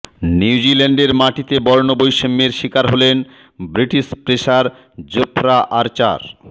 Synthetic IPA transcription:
niwd͡ʑileɳɖeɾmaʈit̪ebɔɾnobojʃemːeɾʃikaɾɦolen | bɾiʈiʃpɾeʃaɾ | d͡ʑopʰɾaʔaɾt͡ɕa̰ɾ

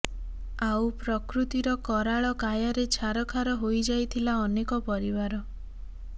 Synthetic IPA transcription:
awpɾɔkɾut̪iɾɔkɔɾaɭɔkajɔɾet͡ʃʰaɾɔkʰaɾɔɦojd͡ʒajt̪ʰilaɔnekɔpɔɾibaɾɔ

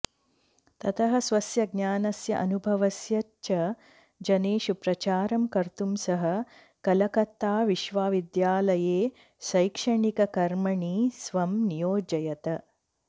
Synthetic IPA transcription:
t̪ɐt̪ʰɐɦɐ̆sʋɐsjɐɡ̚naːnɐsjɐʔɐnubʱɐʋɐsjɐ | t͡ʃɐ | d͡ʒɐneːʃupɾɐt͡ʃaːɾɐmkɐɾt̪umsɐɦɐ̆ | kɐlɐkɐt̪ːaːʋiʃʋaːʋid̪jaːlɐjeː | ʃɐjkʂɐɳikɐkɐɾmɐɳisʋɐmnijoːd͡ʒɐjɐt̪ɐ

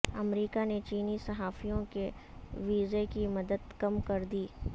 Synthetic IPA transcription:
ɐmɾiːkanet͡ʃiːnisɐɦaːfijõkeʋiːzekimɐd̪əd̪kɐmkɐɾd̪iː

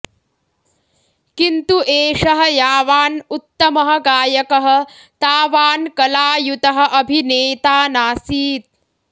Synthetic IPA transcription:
kint̪uʔeːʂɐɦɐjaːʋaːnut̪ːɐmɐɦɐ̆ɡaːjɐkɐɦɐ̆ | t̪aːʋaːnkɐlaːjut̪ɐɦɐ̆ʔɐbʱineːt̪aːnaːsiːt̪̚

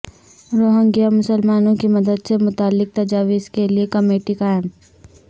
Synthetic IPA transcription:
ɾoːɦə̃ŋɡjamʊsəlmaːnõkimɐd̪əd̪semʊt̪aːlːɪk̚t̪ɐd͡ʒaːʋiskeliekɐmeːʈikaːɪm

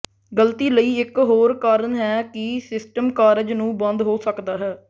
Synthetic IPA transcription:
ɡəlt̪iːləiːɪkɦoːɾkaːɾənɦɛːkɪsɪsʈəmkaːɾɪd͡ʒnũːbə̃nd̪ɦoːsəkd̪aːɦɛː

